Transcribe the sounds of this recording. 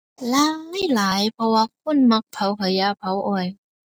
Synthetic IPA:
laː˧˥a˥˩jlaː˨˦jpʰɔ˧wa˧k̚ʰu˥˨nma˧˥k̚pʰa˨˧˥wkʰɤ˨˦ja˧pʰa˨˧˥wʔɔ˧˩j

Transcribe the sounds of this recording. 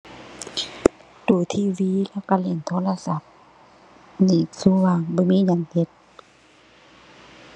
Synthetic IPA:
duː˨˩t̪ʰiː˧˥wiː˧˦lɛ˧˨wka˧˩le˧˩˨nt̪ʰoː˧˨la˧˨sa˧˦p̚ | niː˨˩suː˧˦waː˧˨ŋbɔː˧˦miː˧˥˨ɲa˧˨ŋt̪e˧˦t̪̚

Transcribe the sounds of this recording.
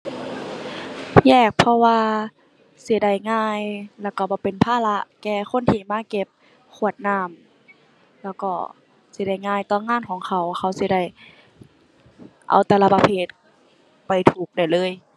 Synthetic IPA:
jɛː˧˩k̚pʰɔ˧waː˧ | si˧˦da˧˩jŋaː˧˥˩jlɛː˧˩wka˧˩bɔː˧˦pe˨npʰaː˧˨la˧ʔkɛː˧xʰo˧˥˨nt̪ʰiː˧˩maː˧˥˨ke˧˥p̚ | kʰu˧˩ə˩t̪̚naː˧˩˨m | lɛː˧˥˩wkɔː˧˩ | si˧˦da˧˩jŋaː˧˩˨jt̪ɔː˧˩˨ŋaː˧˥˨nkʰɔː˨˦ŋkʰa˧˩wxa˧˩wsi˧˦da˧˩j | ʔa̰˨˩wt̪ɛ˧˨la˧pa˧pʰeː˧˥˩t̪̚ | pa˨jt̪ʰuː˨˩k̚da˧˩jlɤː˧˥˨j

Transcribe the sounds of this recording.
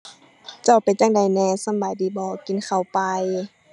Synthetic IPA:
t͡ɕa˧˩wpa˨nt͡ɕa˧˩ŋda˨˩jnɛː˧˩sa˧˥˨baː˨˩jdiː˨˦bɔː˧˦ki˨nkʰa˨˧˩wpa˨˧j

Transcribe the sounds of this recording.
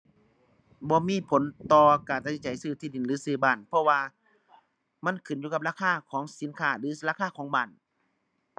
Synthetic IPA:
bɔː˧˦miː˧˥˨pʰo˨˦nt̪ɔː˧kaː˨˩nt̪ʰa˧si˧˦t͡ɕa˨˩˦jsɯː˧˩t̪ʰiː˧˩di˨˩nlɯː˨˦sɯː˧˩baː˧˩˨npʰɔ˧˨waː˧ | ma˧˥˨nkʰɯ˨˩njuː˧ka˧p̚ɾaː˧˥˨kʰaː˧˥˨kʰɔː˨˦ŋsi˨˦nkʰaː˧˩lɯː˨˦laː˧˨kʰaː˧˥˨kʰɔː˨˦ŋbaː˧˩˨n

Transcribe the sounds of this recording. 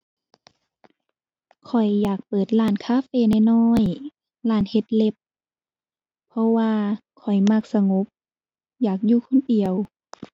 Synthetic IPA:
kʰɔ˨˩jːaː˨˩k̚pɤː˨˩t̪̚laː˧˩nkʰaː˧˥˨feː˧˨na˧˩jnɔː˧˥j | laː˧˩nhe˧t̪̚le˧p̚ | ɔ˧waː˧kʰɔ˨˩jma˧˩k̚sa˧ŋo˧˦p̚ | jaː˨˩k̬̚juː˧kʰo˧˨ndi˨˩əw

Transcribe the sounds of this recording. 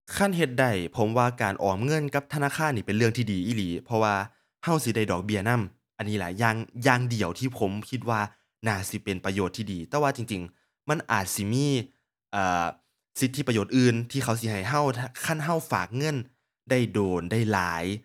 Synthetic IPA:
kʰa˧˥˨nɦe˧t̪̚da˧˩jpʰo˨˦mwaː˧˩kaː˨˩nʔɔː˨˩˦mŋɤ˧˥˨nka˧˥p̚t̪ʰa˧naː˧˨kʰaː˧˥˨nːiː˧˩pe˨nlɯ˧əŋt̪ʰiː˧˩diː˨˩ʔiː˧˩liː˨˦pʰɔ˧waː˧ | ha˧˩˨wsi˧˦da˧˥˩jdɔː˨˩k̚bi˧˩ɐna˧˥˨m | ʔa˨nːiː˧˥laː˨˦jːaː˧˩ŋjaː˧ŋdi˨˩əwt̪ʰiː˧˩pʰo˨˦mkʰi˧t̪̚waː˧ | naː˧˩si˧˦pe˨˩npa˧joː˧˩t̪ʰːiː˧˩diː˨˩t̪ɛː˧waː˧t͡ɕi˨˩ŋt͡ɕi˨˩ŋ | ma˧˥˨nʔaː˨˩t̪̚si˧˦miː˧˥˨ | ʔaː˨˩ | si˧˦t̪ʰːi˧˥˩pːjoː˧˨˩t̪̚ʔɯː˧nt̪ʰiː˧xʰa˧˩wsi˧˦ɦa˨˩jɦa˧˩˨wʰkʰa˧˥˨nɦa˧˩˨wfa̰ː˨˩k̚ŋɤ˧˥˨n | da˥˩jdoː˨nda˧˥˩jlaː˨˦j

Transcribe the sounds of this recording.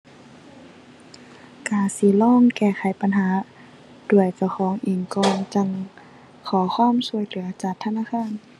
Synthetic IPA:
kaː˧˩si˧˦lɔː˧˥˨ŋkɛː˧˩xʰa˨˦jpa˧˨nɦaː˨˦ | d̥u˧˩əjt͡ɕa˧˩wxʰɔː˨˦ŋʔiː˨˧˩ŋkɔː˧ŋt͡ɕa˧˩ŋ | kʰɔː˨˦xʰɔː˧˥˨msu˧˩əjlɯ˨˩˦ɐt͡ɕaː˨˩k̚t̪ʰːa˧˥˨naː˧˥˨kʰaː˧˥˨n

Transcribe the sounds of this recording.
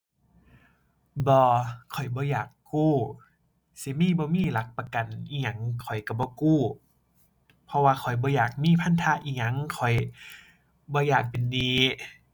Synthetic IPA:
bɔː˧kʰɔ˨˩jbɔː˧˦jaː˨˩kːuː˧˥˩ | si˧˦miː˧˥˨bɔː˧˦miː˧˨la˧˦k̚pa˧ka˨nʔiː˧ɲa˧˦ŋkʰɔ˨˩jka˧˩bɔː˧˦kuː˧˩ | pʰɔ˧waː˧kʰɔ˨˩jbɔː˧˦jaː˨˩k̚miː˧˥˨pʰa˧˥˨nt̪ʰaː˧˨ʔiː˧˩ɲa˧˦˨ŋkʰɔ˨˩j | bɔː˧˦jaː˨˩k̚pe˨ndiː˧˦

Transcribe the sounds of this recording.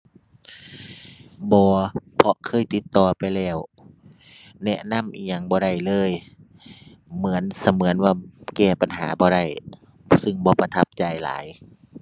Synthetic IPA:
bɔː˧pʰɔ˧kʰɤː˧˥˨jt̪i˧˦t̪ːɔː˧˩pa˨jlɛː˧˩w | nɛ˧na˧˥˨mʔiː˧˩ɲa˧˩ŋbɔː˧ɾa˧˩jlɤː˧˥˨j | mɯ˨˦ənsa˧˦mɯ˩˦ənwaː˧˩kɛː˧˩pa˨nɦa̰ː˩˦bɔː˧˦ɾa˧˩j | sɯ˧˩ŋbɔː˧˦pa˧t̪ʰa˧˥p̚t͡ɕa˧˩jla̰ː˨˦j

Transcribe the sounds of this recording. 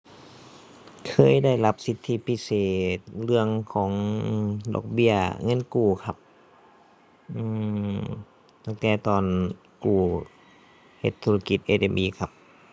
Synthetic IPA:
kʰɤː˧˥˨jda˥˩jla˧˥p̚si˧˦t̪ʰːi˧˨pʰi˧˥seː˨˩t̪̚lɯ˧əŋkʰɔː˩˦ŋʔdɔ̰ː˧k̚bi˧˩əŋɤ˧˥˨nkuː˨˩kʰa˧p̚ | ʔɯː˧˩ | t̪a˧˩ŋt̪ɛː˧˩t̪ɔː˨˩n | kuː˨˩ | he˧˦t̪ʰːu˧la˧ki˧˩t̪̚ʔeː˧de˧˩mʔiː˧˨kʰa˧p̚

